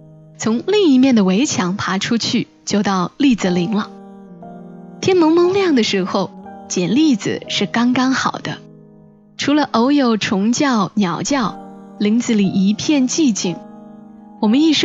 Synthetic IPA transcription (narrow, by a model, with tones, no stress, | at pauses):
t͡sʰʊ˧˥ŋli˥˩ŋi˧˥mjɛ˥˩nd̪ə˩we˧˥ɪt͡ɕʰjɑ˧˥ŋpʰa˧˥ʈ͡ʂʰu˥t͡ɕʰy˥˩ | t͡ɕjo˥˧ʊt̪ɑ˥˧ʊli˥˩d͡z̩˨˩li˧˥ŋlə˧ | t̪ʰjɛ˥nmɤ˧˥ŋmɤ˧˥ŋljɑ˥˩ŋd̪ə˩ʂɻ̩˧˥xo˥˧ʊt͡ɕjɛ˨˩nli˥˩d͡zɹ̩̰˨˩ʂɻ̩˥˩kɑ˥ŋkɑ˥ŋxɑ˨˩ʊd̪̥ə̰˦ | ʈ͡ʂʰu˧˥lə˧ʔo˧˥ʊjo˨˩ʊʈ͡ʂʰʊ˧˥ŋt͡ɕjɑ˥˩ʊnjɑ˨˩ʊt͡ɕjɑ˥˩ʊli˧˥ŋt͡sɹ̩˥˩li˨˩ʔi˧˥pʰjɛ˥˧nt͡ɕi˥˧t͡ɕi˨˩ŋ | wɔ˨˩mə˦ni˥˩ʂ